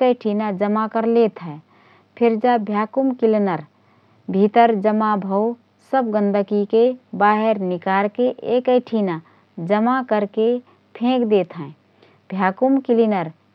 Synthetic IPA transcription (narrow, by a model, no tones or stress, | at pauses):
kəʈʰinad͡ʒəmakəɾlet̪ɦɛ̃ | pʰiɾd͡ʒabʱjakumkilinəɾ | bʱit̪əɾd͡ʒəmabʱəw | səbɡə̃nd̪ʱəkikebaɦeɾnikaɾkeʔekəjʈʰina | d͡ʒəmakəɾke | pʰẽkd̪et̪ɦɛ̃ | bʱjakumkilinəɾ